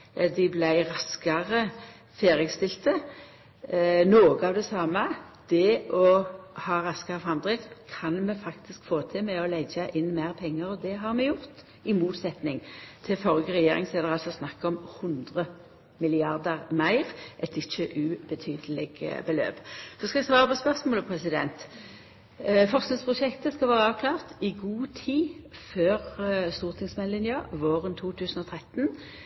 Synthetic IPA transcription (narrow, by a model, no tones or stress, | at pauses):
d̪ɪblæɪʁɑskɑʁə | feːʁəɡst̪ɪlt̪ə | noːɡəɑːʋd̪ɛsɑːmə | d̪̥ɛʔɔhɑːʁɑskɑʁəfʁɑmd̪ʁɪt̪kʰɑnmɛfɑkt̪ɪskfoːt̪ʰɪlmɛɔlɛd͡ʒəʔɪnːmæɪʁpʰɛŋːəʁɔd̪ɛɦɑʁmɛjʊʁt̪ | ɪmuːt̪sɛt̪nɪŋt̪ʰɪlfɔʁjəʁɛjeːʁɪŋseːd̪əʁɑlsɔsnɑkːɔmhʊnd̪ʁə | mɪlɪɑʁd̪əʁmæɪʁʔɛt̪ɪçəʔʉbət̪ʰyːd̪əlɪɡbəlø̰ːpsɔskɑɛɡst̪ʰoɑːɑbɛspœʁsmoːləpʰʁɛsɪd̪ɛ̰nt̪ | fɔʁsnɪŋspʰʁʊʂɛkt̪əskɑlʋæːʁəɑːʋkʰlɑːʁt̪ɪɡuːt̪ʰiːføːʁst̪uːʁt̪ʰɪŋsmɛnlɪnjɑʋoːʁənt̪ʰuːt̪ʰʉːsn̩ɔt̪ʰʁɛt̪n